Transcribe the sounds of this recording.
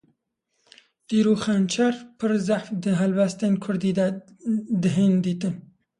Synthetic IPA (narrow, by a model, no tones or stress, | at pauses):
d̪̥iɾuxant͡ʃʰaɾpʰɨɾzaħfd̪əɦalbast̪ənkʰʊɾd̪id̪a | d̪əɦend̪iːt̪ɨn